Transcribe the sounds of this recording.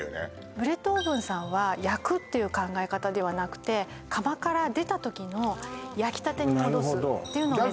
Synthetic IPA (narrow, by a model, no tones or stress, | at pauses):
nḛ | bɯ̟ɾe̞t̪ːoːbɯ̟̃ɰ̃sãɰ̃βajakɯ̟t̪ːe̞jɯ̟kãŋɡae̞kat̪ad̪e̞βanakɯ̟̥t̪e̞ | kʰamakaɾad̪e̞t̪at̪o̞kʲino̞jakʲi̥t̪at̪e̞ɲ̟ioɾoɦd̪ot̪ːe̞jɯ̟noe